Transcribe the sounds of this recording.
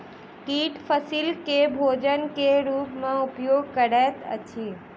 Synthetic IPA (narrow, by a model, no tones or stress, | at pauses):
kiːʈfəsiːlkebʱoːd͡ʑənkeɾuːpmãʊpjoːɡ̚kɐɽat̪ʰɐ̰t͡ɕʰiː